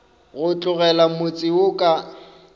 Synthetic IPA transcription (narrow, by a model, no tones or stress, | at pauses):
ɣʊt͡ɬʼʊɣɛlamʊt͡sʼɪʊkʼa